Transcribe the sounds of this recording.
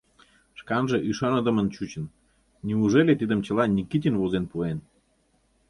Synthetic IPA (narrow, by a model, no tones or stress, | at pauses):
ʃkɑnʒĕʔyʃɑnə̆d̪ə̆mənt͡ɕut͡ɕə̆n | niuʒelet̪id̪əmt͡ɕə̆lɑnʲikit̪ʲinβozenpuen